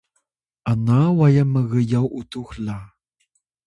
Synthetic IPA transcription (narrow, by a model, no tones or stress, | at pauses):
anawajaməɣəjawʔut̪uxla